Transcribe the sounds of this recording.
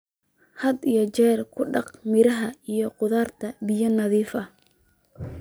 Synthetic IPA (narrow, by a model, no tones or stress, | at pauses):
hɐd̪ijɞt͡ʃɛːrkʰʊɖɑqmɪɾɐɦɐijɔqʊðaːrt̪ʰɐbɪjɐnɐðiːfɐ